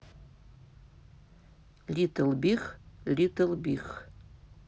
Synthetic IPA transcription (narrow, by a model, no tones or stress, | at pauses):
litʰɨlbiχlʲitʰɨlbiχ